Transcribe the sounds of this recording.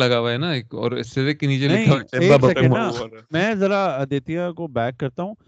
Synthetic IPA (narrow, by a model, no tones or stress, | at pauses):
lɐɡaːʋaɦɛnaeːkɔ̰ːɾɪ̰sːed̪eːkniːd͡ʒelnɐeĩaeːaksɐkẽnamɛ̃ːzɐɾad̪eːt̪ijãkobɛːkːɐɾt̪aɦũː